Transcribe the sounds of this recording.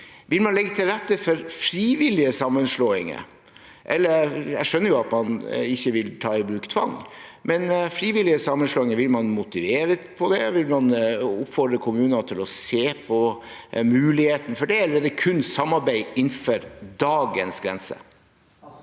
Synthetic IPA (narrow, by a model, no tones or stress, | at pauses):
ʋɪlmɑnlɛɡːət̪ʰɪlɾɛt̪ːəfɔɾfɾiːʋɪlɪəsɑmːənʂloːɪŋə̰ | ʔɛlːəjæʂœnːəɾjʊɑt̪mɑnɪçːəʋɪlt̪ʰɑːɪbɾʉːkt̪ʰʋɑ̰ŋmɛnfɾiːʋɪlɪəsɑmːənʂloːɪŋəʋɪlmɑnmʊt̪ɪʋeːɾəpʰɔd̪ɛʋɪlmɑnʊpːfɔd̪ɾəkʰʊmʉːnənɑt̪ʰɪlɔseːpʰɔ | mʉːlɪheːt̪n̩fɔɖɛɛlɾeːd̪əkʰʉnːsɑmːɑɾbæɪɪnfɔɾd̪ɑːɡənsɡɾɛ̰nsə̰